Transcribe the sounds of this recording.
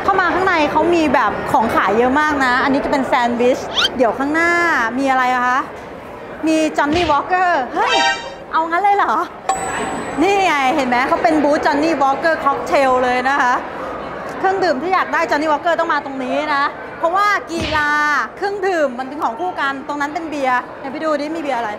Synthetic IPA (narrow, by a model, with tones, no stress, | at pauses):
kʰa˥˩wmaː˧kʰaː˥˩ŋna˧jkʰa˦˥wmiː˧bɛː˨˩p̚kʰɔː˩˦ŋkʰa̰ː˨˩˦jːɤ˦˥ʔmaː˥˩k̚na˦˥ʔa˧nːi˦˥t͡ɕa˨˩pe˧nsɛː˧nwi˦˥sdi˩˦əwkʰaː˥˩ŋnaː˥˩miː˧ʔa˧ɾa˧ja˨˩kʰa˦˥ʔ | miː˧t͡ɕɔ˧˥nːiː˥˩wɔː˦˥kːɤː˥˩hɤ˦˥˩j | ʔa˧wŋa˦˥nlɤː˧jlɔː˩˦ | niː˥˩ja˧ŋa˧jɦe˨˩˦nmɛː˦˥kʰa˦˥wpe˧nbuː˦˥t̪̚t͡ɕɔ˧nːiː˥˩wɔː˦˥kːɤː˥˩kʰɔ˦˥k̚t̪ʰe˧wlɤː˧jna˦˥kʰa˦˥ʔ | kʰɯ˥˩əŋdɯː˨˩mt̪ʰiː˥˩jaː˨˩k̚daː˥˩jt͡ɕɔ˧nːiː˥˩ɔː˦˥kːɤː˥˩t̪ɔ˥˩maː˧t̪o˧ŋniː˦˥na˦˥ | pʰɔ˦˥waː˥˩kiː˧laː˧kʰɯ˥˩əŋdɯː˨˩mːa˧nt̪ɯ˨ŋkʰɔː˨˩˦ŋkʰuː˥˩ka˧nt̪o˧ŋna˦˥npe˧nbi˧ɐ | na˧pʰi˦˥duː˧niː˦˥miː˧bi˧ɐʔa˧ɾa˧j